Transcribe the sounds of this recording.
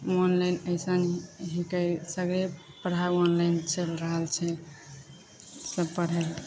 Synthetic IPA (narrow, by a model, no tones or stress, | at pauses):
onlajnəɪsənɦikəsəɡɾe | pəɽ̤aonlajnt͡ʃəlɾəɦəlt͡ʃʰɛ | səbpəɽ̤ɦel